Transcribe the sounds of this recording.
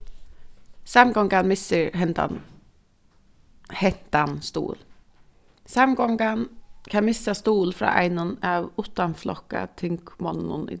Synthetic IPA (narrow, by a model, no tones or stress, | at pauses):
samɡɔŋɡanmɪsəɹɦɛnt̪a̰n | hɛn̥t̪anst̪ṵːl | samɡɔŋɡankʰanmɪsast̪uːlfɾɑ̰ːʔæ̰ɪnʊnaːʋʊt̪anflɔ̰ka̰t̪ʰɪŋkmɔnʊ̰nɪ̰